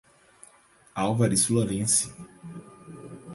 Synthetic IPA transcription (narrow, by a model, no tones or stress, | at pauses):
awvaɾɪsloɾẽsɪ̥